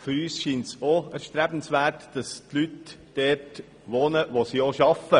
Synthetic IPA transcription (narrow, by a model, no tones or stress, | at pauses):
fʏɾyːsʃiːntsoæɾʃtɾæb̥n̩sʋæːɾtd̥ɑstlytd̥ɛːt | ʋoːnəʋosioʃɑfə